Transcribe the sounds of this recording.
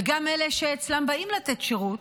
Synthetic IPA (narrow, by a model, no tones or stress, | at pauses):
ɡameleʃeːt͡slambaimlat̪etʃeʁut